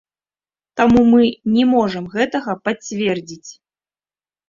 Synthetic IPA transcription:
t̪amumɨnʲɛmɔʐɐmɣɛt̪ɐɣɐpat͡sʲvʲɛrd͡zʲit͡sʲ

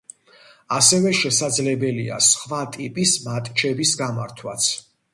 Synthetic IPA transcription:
asɛvɛʃɛsad̪zlɛbɛlia̰sχvat̪ʼipʼismat̪ʼt͡ʃʰɛbisɡamaɾt̪ʰwat̪sʰ

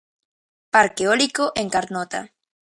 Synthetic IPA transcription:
paɾkeolikoʔeŋkaɾnot̪a̰

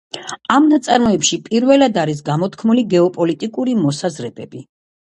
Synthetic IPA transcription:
amnat̪sʼaɾmɔɛpʃipʼiɾvɛlad̪aɾis̬ɡamɔt̪ʰkʰmuliɡɛɔpʼɔlit̪ʼikʼuɾimɔsazɾɛbɛbi

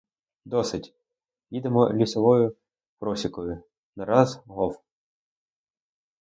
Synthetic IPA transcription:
d̪ɔsɪtʲ | jʲid̪emɔlʲisɔʋɔjʊ | pɾɔsʲikɔjʊ | nɐɾɑzɦɔw

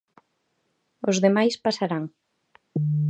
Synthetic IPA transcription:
ozðemajspasaɾaŋ

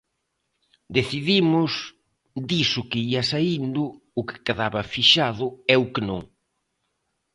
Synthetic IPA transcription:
d̪eθiðimʊs | d̪isʊkɪiɐsaind̪ʊː | kɪ̥keðaβɐfiʃaðʊɛʊkɪnõ̰ŋ

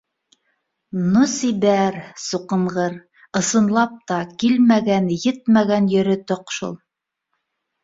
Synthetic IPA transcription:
nusiβæɾsuqɤ̆ɴʁɤɾ | ɤ̆sɤ̆nlˠɑp̚t̪ɑkilmæɡænjɘt̪mæɡænjɵ̆ɾɘ̆t̪oqʃṵlˠ

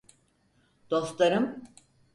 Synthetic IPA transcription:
d̪̥o̞st̪lˠaɾɯm

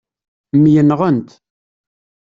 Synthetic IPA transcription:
mːjənʁənt̪

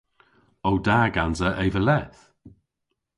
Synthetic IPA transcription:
owdaːɡanzəʔejvəlɛθ

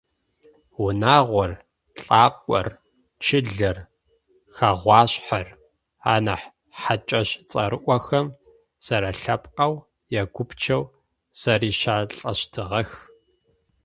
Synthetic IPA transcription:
wʊnaːʁʷɔr | ɬʼaːqʷʼɔ̰r | t͡ʃʰɪɮɐr | xaʁʷɑːɕħar | aːnɐħ | ħat͡ʃʼɐɕt͡sʼɐ̰ɾɨʔʷɔxɐm | sɐɾɐɬɐpʼqʼɐw | jɛɡʷʊpt͡ʃʰɐw | sɐriːʃaːɬʼɐɕtʰɨʁɐx

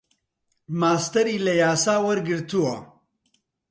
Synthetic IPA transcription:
maːst̪ɐɾiːlɐjaːsaːwɐɾɡɨɾt̪uwɐ

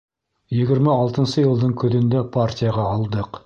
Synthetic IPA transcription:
jeɡʲɪɾmɪɑlˠt̪ənsəjəlˠd̪əɴkʲʰʏd̪ɪnd̪epʰaɾtʲijaʁɑɑlˠd̪əq

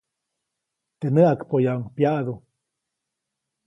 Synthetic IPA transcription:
t̪enəʔakpojauŋpjaʔðu

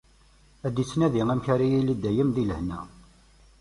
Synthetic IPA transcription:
æd̪it͡sːnæðiŋæmçaɾijilid̪æjəmðiləhnæ

